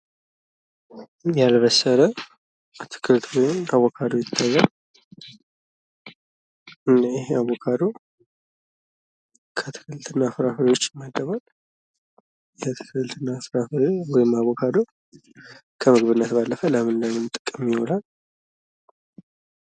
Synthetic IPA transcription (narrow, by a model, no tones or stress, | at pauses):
jalβəsəɾə | t̪ʰɨ̥kʰɨɾt̪wɔjɪmaβokʰad̪o̞jɪt̪ʰːajːal | ɨnːaɪɦeaβokʰad̪o̞ | kʰət̪ʰɨ̥kɨlt̪ʰɨnːafɾafɨɾiwot͡ʃːɪməd̪ːəβal | jet̪ʰɨ̥kʰlt̪ʰɨnːafɾafwɔjɪmaβokʰad̪o̞ | kʰəmɨɡβɨnːət̪balːəfələmɨnləmɨnt̪ʼɨkʼːɨmjɪholal